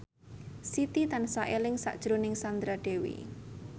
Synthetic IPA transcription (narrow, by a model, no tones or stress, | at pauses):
sit̪it̪ansaʔelɪŋsa̰ʔd̥ʒ̥ɾonɪŋsand̪ɾaɖ̥e̤wḭ